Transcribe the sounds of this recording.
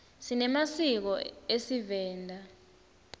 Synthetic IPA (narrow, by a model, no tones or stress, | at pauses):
sinɛmasik̬ɔesivɛːndʱa